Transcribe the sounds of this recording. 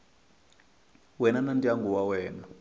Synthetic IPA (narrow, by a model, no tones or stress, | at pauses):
wɛnanantʼiaŋɡʱuwawɛːna